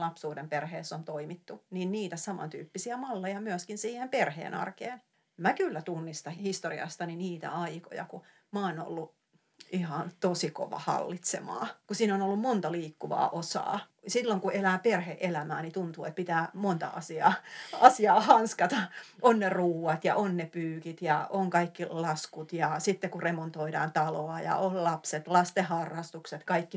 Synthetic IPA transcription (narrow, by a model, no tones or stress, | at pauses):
lɑpsuːdemperheːsːont̪oimit̪ːuniːnniːt̪æsɑmɑ̰nt̪y̰ːpːisiæmɑlːejɑmyøskinsiːhemperhḛːnɑ̰rkeːn | mækylːæt̪unːist̪ɑhist̪oriɑ̰st̪ɑniniːt̪æ̰ɑiko̰jɑ̰ku | mɑono̰lːu | ʔihɑnt̪osiko̰ʋɑ̰hɑ̰lːit̪sḛmɑ̰ːkusiːnonolːummont̪ɑliːkːuʋɑ̰ːʔosɑ̰ː | silːoŋkuelæːperheʔelæmæːnit̪unt̪uːet̪̚pit̪æːmont̪ɑ̰ɑ̰siɑ̰ːɑsiɑːhɑnskɑt̪ɑʔonːeruːwɑt̪jɑ̰ʔonːepyːkit̪jɑoŋkɑikːilɑskut̪jɑsit̪ːekuremont̪oidɑːnt̪ɑloɑjɑ̰ollɑpset̪lɑst̪ehɑrːɑst̪ukset̪kɑikːi